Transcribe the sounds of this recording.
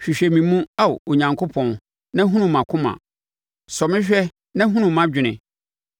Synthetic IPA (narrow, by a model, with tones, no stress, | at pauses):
ɕᶣi˨ɕᶣɛ˨mĩ˨˦mũ˦a˦w̰o˨ɲã˨ŋkʰo˦pʰɔ̃˨n | nã˦ɦũ˦nũ˦mã˨kʰʊ̃˦mã̰˨ | sɔ˨mɪ̃˦ɕᶣɛ˦ | nã˦ɦũ˦nũ˨mã˦d͡ʑᶣɪ˨nɪ̃˨